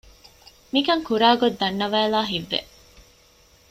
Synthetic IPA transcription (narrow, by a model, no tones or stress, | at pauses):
mikɐŋkuɾaːɡod̪ːɐnːɐʋæːlaːɦiʋːḛ